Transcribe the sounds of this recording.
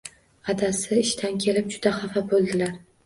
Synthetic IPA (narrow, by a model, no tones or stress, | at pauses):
ad̪asɪɪʃt̪ʰankʲʰe̞lɪp̚d͡ʒʊd̪aχafabolˠd̪ɪlaɾ